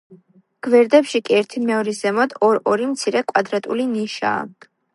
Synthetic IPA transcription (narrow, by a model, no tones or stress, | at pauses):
ɡ̥vɛɾd̪ɛpʃikʼiɛɾt̪ʰimɛɔɾizɛmɔd̪ɔɾɔɾimt̪sʰiɾɛkʼwad̪ɾat̪ʼuliniʃa̰ː